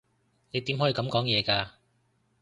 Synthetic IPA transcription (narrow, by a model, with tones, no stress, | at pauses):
ne˨˧jt̪i˨˥mɦɔ˨˥iː˨˧kɐ˨˥mkɔː˨˥ŋjɛː˨˧kaː˧